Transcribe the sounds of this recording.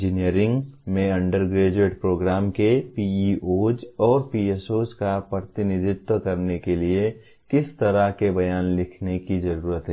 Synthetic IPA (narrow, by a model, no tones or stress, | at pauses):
d͡ʒinijəɾɪ̃ŋɡmẽɐ̃ɳɖəɾɡɾeːd͡ʒeːʈpɾoːɡɾaːmkepiiʔoːd͡ʒɔːɾpiesoːskapɾət̪ɪnɪd̪ʱɪt̪wəkɐɾnekelie | kɪst̪ɐɾaɦkebɐjaːnlɪkʰnekizɐɾuːɾət̪ɦɛ